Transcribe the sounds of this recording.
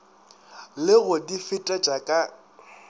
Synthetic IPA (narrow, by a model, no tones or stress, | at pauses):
lɪɣʊdifɪtʼat͡ʃʼakʼa